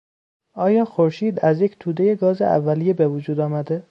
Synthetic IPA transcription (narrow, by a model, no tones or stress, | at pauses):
ʔɒːjɒːxoɾʃiːd̪æzje̞cʰt̪ʰuːd̪eje̞ɡɒːzḛʔæ̰vːælijebevod͡ʒuːd̪ɒːmæd̪e